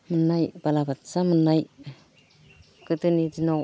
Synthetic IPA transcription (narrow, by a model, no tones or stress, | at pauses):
mɯnajbalabatsamɯnaj | kɯtɯnidinɔw